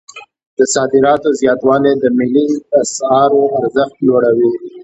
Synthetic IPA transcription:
d̪̥əsɑd̪ɪɾɑt̪ozjɑt̪wɑled̪əmɪliasɑɾoaɾzəxt̪loɽawi

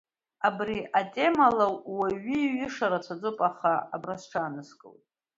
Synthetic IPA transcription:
abriʔatʼe̞malawwaɥiːɥɪʂaɾat͡sʷʰad͡zupʼaχaabrasʈ͡ʂʰanɨskʼɨ̰wtʼ

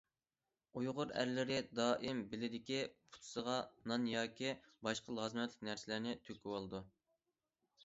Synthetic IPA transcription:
ujʁʊɾæ̰ɾlɪɾɪd̪ɑːʔimbɪlɪd̪ɪkʲipʰu̥t̪ʰʊ̥səʁɑnɑnjɑːkʲibɑʃqəlˠɑːzɨmɛt̪lɪk̚ʲnæɾsɪlɪɾnɪt̪ʰøkʲiwolˠɨd̪u

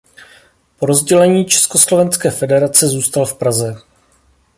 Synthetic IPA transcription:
po̞ɾo̞zɟɛlɛɲiːt͡ʃɛ̥sko̞slo̞vɛnskɛːfɛdɛɾat͡sɛzuːst̪alfpɾazɛ

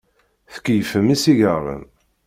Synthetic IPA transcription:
θə̥kːjfəmisiʝəʁˤə̰m

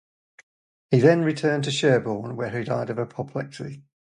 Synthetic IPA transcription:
hiðə̃nɹɪtʰɜ̃ːntʰəʃɜːbɔːnwəidaɪdəvəpʰɒpʰlɛksḭ

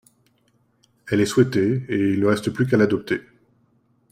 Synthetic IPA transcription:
ɛlɛswɛt̪eːilnəʁɛst̪əplyk̬alad̪ɔp̚t̪e

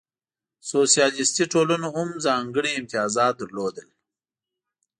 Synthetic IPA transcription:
sosijɑːlɪst̪iʈolanoʊmzɑːŋɡəɽiːmt̪ijɑːzɑːt̪̚d̪əɾlod̪əl

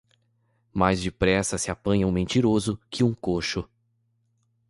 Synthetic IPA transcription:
majzd͡ʒɪpɾɛsɐsɪapɐ̃ɲɐ̃ũmẽnt͡ʃiɾozʊkʰɪũkoʃʊ

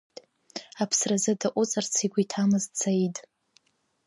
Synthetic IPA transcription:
apʰsrazɨdaʔʷʼʊt͡sʼart͡sʰiɡʷitʰamɨzt͡sʰajtʼ

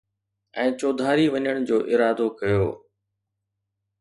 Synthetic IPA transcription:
ɛ̃ːt͡ɕoːd̪ʱaːɾiʋɐɲəɽ̃d͡ʑoːʔɪɾaːd̪okɐjo̰ː

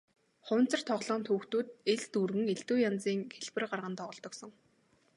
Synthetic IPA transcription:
χʊ̟ːn̥t͡sə̆r̥t̪ʰɔʁɮɔːnt̪ʰuːxt̪uːt̪̚eɮt̪urɣɘ̆ŋeɮt̪uːjant͡siːŋxʰeɮpɘ̆rɢarʁə̆nt̪ɔʁɞ̆ɮt̪ɞ̆ksɞ̆ŋ

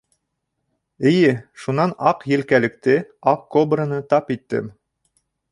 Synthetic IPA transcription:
ɘ̆jɘʃunɑnɑqjɘ̆lkælɘ̆k̚t̪ɘɑqkobɾənɤt̪ɑpit̪ːɘ̰m

